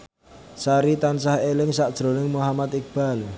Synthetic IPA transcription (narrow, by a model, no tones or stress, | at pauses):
saɾit̪ansahelɪŋsaʔd̥ʒ̥ɾo̤nɪŋmuɦamat̪ɪk̚b̥al